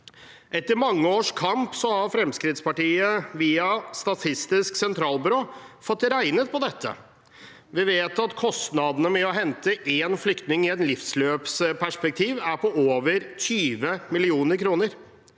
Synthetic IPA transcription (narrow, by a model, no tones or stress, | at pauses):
ʔɛt̪ːəɾmɑŋːəoːʂkʰɑmpsɔhɑɾfɾɛmskɾɪt̪spɑʈiːəʋiːɑst̪ɑt̪ʰɪst̪ɪsksɛnt̪ʰɾɑːlbʏɾoːfɔt̪ːɾæɪnət̪̚pʰɔd̪ɛt̪ʰːə̰ | ʋɪʋeːt̪ɑt̪kʰɔst̪nɑd̪ənəmɛɔɦɛnt̪əʔeːnflʏkt̪nɪŋɪɛt̪lɪfsløːpspʰæʂpɛk̚t̪ʰiːʋæɾpɔoːʋəɾt̪ʰyːʋəmɪlɪuːnəɾkʰɾuːnəɾ